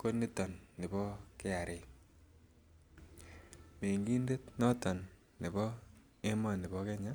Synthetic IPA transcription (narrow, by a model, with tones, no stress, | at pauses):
ko˦nːi˦tɔ˨nːɪ˨bɔ˦ke˦a˨ɾʔɪ˦˨ | me˨ŋɡi˦nde˦tnɔ˦tɔ˨nː | ɪ˨bɔ˦ | e˦ma˨nɪ˨bɔ˦kɛ˦ɲa˦